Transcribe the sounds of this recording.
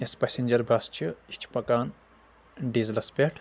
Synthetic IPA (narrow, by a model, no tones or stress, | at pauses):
espasenʲd͡ʒɐɾbʱast͡ʃʰiit͡ʃʰpɐkaːn | ɖizlɐspʲeʈʰ